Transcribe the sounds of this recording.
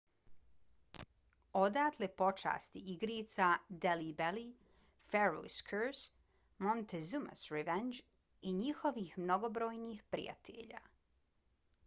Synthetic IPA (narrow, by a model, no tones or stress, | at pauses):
od̪aːt̪lepo̞t͡ʃa̰ːst̪iiɡɾiːt̪sad̪elibeli | feɾo̰skʰəɾs | mont̪ezuma̰sɾeʋend͡ʒ | iɲixo̞ʋiːxmno̞ɡobɾoːjniːxpɾḭja̰t̪ʰḛʎa̰ː